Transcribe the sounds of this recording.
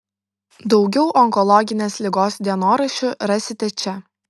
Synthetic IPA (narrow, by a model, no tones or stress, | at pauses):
d̪ɒʊɡʲɛʊʔɔŋkɔlˠɔɡʲɪnʲeːslʲɪɡoːsd̪ʲiɛnoːɾɐʃʲʊɾɐsʲɪt̪ʲɛt͡ʃʲɛ